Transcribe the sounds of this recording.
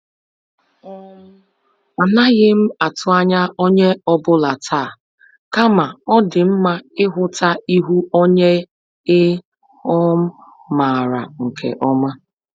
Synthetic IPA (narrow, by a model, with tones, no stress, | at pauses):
a˨na˦ɣɪ˦m̩˦a˨tʊ˨˦a˦ɲa˦ʔo˦ɲe˦ɔ˦bʊ˦la˨tʰa˦˨ | ka˦ma˨ɔ˦dɪ˨m̩˦ma˦ɪ˦ɦʊ˦ta˦i˦ɦu˦o˦ɲe˦ | ɪ˦ | ɔ˦m̩˦ | maː˨ɾa̰˨ŋ̩˨kʰḛ˨ʔɔ˦ma˦